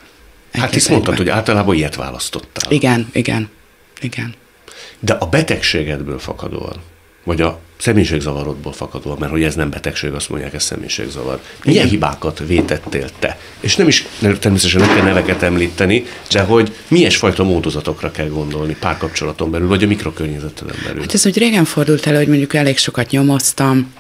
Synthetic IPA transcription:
hat̪ːismo̞nt̪ɒt̪ho̞ɟa̰ːlt̪ɒlaːbɒijɛt̪ʋa̰ːlɒst̪o̞t̪ːa̰ːliɡɛniɡɛ̰n | iɡɛn | d̪ɛʔɒbɛt̪ɛkʃeːɡɛd̪bø̰ːlfɒ̰kɒ̰d̪o̰ːɒ̰n | vɒɟɒsɛmejʃeːɡzɒvɒɾo̞d̪̚boːlfɒkɒd̪oːɒmmɛrho̞ɟɛznɛmbɛt̪ɛkʃḛːɡɒst̪mo̞̰ɲɟjaːkɛssɛ̰mʔḛːjʃḛːɡzɒ̰vɒ̰rmijɛnɦiba̰ːkɒt̪veːt̪ɛt̪ːḛːlt̪ːɛ̰ | eːʃnɛmiʃnt̪ɛrmeːsɛt̪ɛʃɛnɛkɛlnɛvɛkɛt̪ɛmliːt̪ɛnid̪ɛɦo̞ɟ | mijɛʃfɒjt̪ɒmoːd̪ozɒt̪o̞krɒkɛlɡo̞nd̪o̞lnipaːrkɒpt͡ʃo̞lɒt̪o̞mbɛlylvɒɟɒmikro̞kørɲɛzɛt̪ːɛlɛ̰mbɛ̰ly̰lat̪ɛzuːɟreːɡɛɱfo̞rd̪ult̪ɛlho̞ɟmo̞ɲɟukɛleːkʃo̞kɒt̪ɲo̞mo̞st̪ɒm

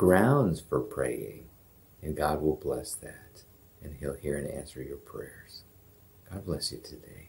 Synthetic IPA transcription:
ɡ̥ɹãʊ̃nz̥fə˞pʰɹ̥ḛɪɪ̰̃ŋ | ɨ̃nɡɑd̚wɪlˠblɛsðæt | ɨ̃nilˠhiɹɨ̃næ̰̃nsə˞jə˞pʰɹ̥ɛ̰ɹz̥ | aɪblɛsjɨtʰɨdeɪ

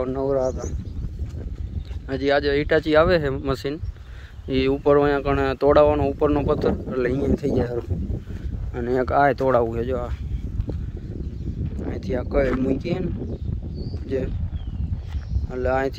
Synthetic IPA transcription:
nəʋɾaːt̪aː | əd͡ʒiːəʄiʈaːt͡ʃiːaːʋeːɦeːməsiːn | iːupəɾʋəɲãːkəɳ̃t̪oːɽaːʋaːnoupəɾnoːpət̪ʰːəɾəleĩːãt̪ʰəiːd͡ʒaːɦəɾo | əneːə̃kaːɦet̪oːɽaːuɦed͡ʒoaː | a̰ːẽːt̪ʰiaːkəmʊ̃ikeːn | d͡ʒeː | əlaːẽːt̪ʰ

